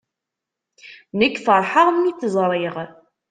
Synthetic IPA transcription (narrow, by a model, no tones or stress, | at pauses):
nəkːfəɾˤħəʁmːiθzˤɾˤiʁ